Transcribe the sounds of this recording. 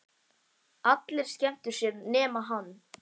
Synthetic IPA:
at̪lɪɾ̥scɛm̥t̪ʏɾ̥sjɛɾnɛːmaɦanː

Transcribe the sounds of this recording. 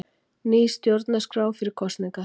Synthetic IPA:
niːst̪jowɾt̪naskɾaːwfɪɾɪɾ̥kʰɔst̪nɪŋka

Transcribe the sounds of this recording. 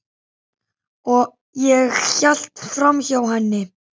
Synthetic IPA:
ɔ | jɛɣçal̥t̪fɾamçawɦanːɪ

